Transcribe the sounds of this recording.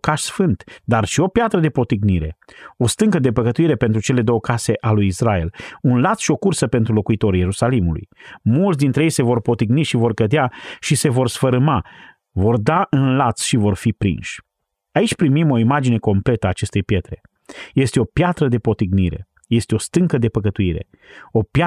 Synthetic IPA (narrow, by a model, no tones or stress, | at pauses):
kaʃsfɨnt̪d̪arʃio̞pjat̪ɾəd̪e̞po̞t̪iɡniɾe̞̰o̞st̪ɨŋkəd̪e̞pəkət̪uiɾe̞pent̪ɾut͡ʃe̞le̞d̪o̞wəkase̞ʔalujisɾae̞̰lunlat̪sʃio̞kursəpe̞nt̪ɾulo̞kuit̪o̞ɾje̞ɾusalimulṵjmult̪sd̪int̪ɾejejse̞vo̞rpo̞t̪iɡniʃivo̞rkəd̪eaʃise̞vo̞rsfəɾɨma | vo̞rd̪aʔɨnlat̪sʃivo̞rfipɾḭnʃʲ | ait͡ʃʲpɾimimo̞imad͡ʒine̞ko̞mple̞t̪əaːt͡ʃe̞st̪e̞jpje̞t̪ɾe̞̰ | je̞st̪eo̞pjat̪ɾəd̪e̞po̞t̪iɡniɾe̞̰ | je̞st̪eo̞st̪ɨŋkəd̪e̞pəkət̪uiɾe̞̰ | o̞pja